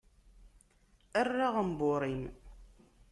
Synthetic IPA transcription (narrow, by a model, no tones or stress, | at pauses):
ərːaʁəmboɾˤim